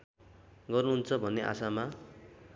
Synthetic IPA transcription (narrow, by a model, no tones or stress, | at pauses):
ɡʌrnuɦunt͡sʰʌbʱʌnːeʔa̰sama